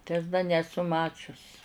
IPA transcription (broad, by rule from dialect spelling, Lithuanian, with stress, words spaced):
tɐɪ ɐs dɐ nʲɛˈsʊ ˈmɑːt͡ʃʲʊs